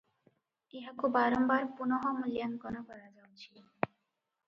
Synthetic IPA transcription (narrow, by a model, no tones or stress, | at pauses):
eɦakubaɾombaɾpunɔɦɔmuljankɔnokɔɾad͡ʑawt͡ɕʰi